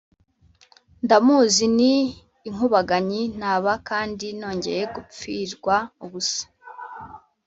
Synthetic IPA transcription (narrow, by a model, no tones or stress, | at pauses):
ndamuːziniː | ŋuβaɡaɲin̥haːβakaːndino̞ːɲɟe̞̰ɾe̞ɡup͡fiɾɡwauβusḁ